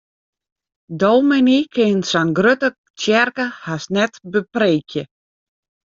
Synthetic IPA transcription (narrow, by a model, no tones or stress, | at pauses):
doːmɪnikʰɪnsanɡrøtə | tjɛrkəhasnɛtbəpreːkjə